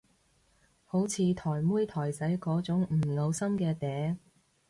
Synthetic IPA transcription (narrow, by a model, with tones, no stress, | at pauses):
ho˨˥wt͡sʰiː˨˧t̪ʰɔː˨˩jmuː˥jt̪ʰɔː˨˩jsɐ˨˥jkɔː˨˥t͡sʊ˨˥ŋm̩ː˨˩lo˨˧wsɐ˥mkɛː˧t̪ɛː˨˥